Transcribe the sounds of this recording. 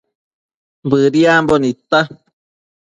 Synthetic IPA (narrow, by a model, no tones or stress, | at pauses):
bɨɾiambonit̪a